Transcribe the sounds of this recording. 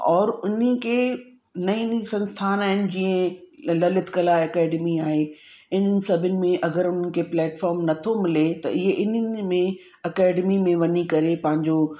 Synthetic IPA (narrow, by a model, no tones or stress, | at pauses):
ɔːɾʊnəkʰeː | nɐĩnisɐ̃nst̪ʰaːnaːɦɪnɪ̆d͡ʑiːə̃lɐlɪt̪kɐlaːɐkɛːɖmiaːɦe | ɪnənɪ̆sɐbʱɪnɪ̆mẽʔɐɡəɾʊn̤ənɪ̆kʰeplɛːʈfɔːɾmnɐt̪ʰomɪlet̪ɐʔɪɦeʔɪnənɪ̆mẽ | ɐkɛːɖmimẽʋɐnikɐɾepɐ̃ɦɪ̃ɲd͡ʑo